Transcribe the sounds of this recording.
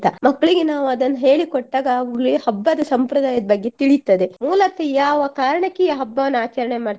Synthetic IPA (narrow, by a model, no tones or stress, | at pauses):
t̪ːɐmɐkːɐɭiɡenaːʋuɐd̪ɐnːɐɦe̞ːɭikoʈːaːɡɐːʋuɡɭihɐbːɐd̪ɐsɐmpɾɐd̪aːjɐd̪ɐbɐɡːe̞t̪iɭit̪ːɐd̪e̞muːlɐt̪ːejaːʋɐkaːɾɐɳɐkːejɦɐbːɐʋɐnːaːt͡ʃɐɾɐɳemaːɽ